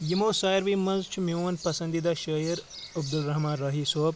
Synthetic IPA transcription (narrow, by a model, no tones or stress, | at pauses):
jimoːsaːjɾʋimɐnzt͡ʃʰmionpɐsɐnd̪id̪aʃɐjɐɾ | ɐb̚d̪ulɾɐɦmãːnɾɐɦisoːb